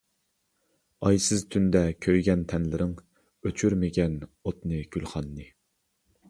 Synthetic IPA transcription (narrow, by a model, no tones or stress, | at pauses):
ɑjsɨzt̪ʰynd̪ɛkʲʰøjɡʲɛnt̪ʰɛnlɪɾɪŋ | øt͡ʃʰyɾmɪɡʲɛnot̪nɨɡ̥ʲylχɑnːɨ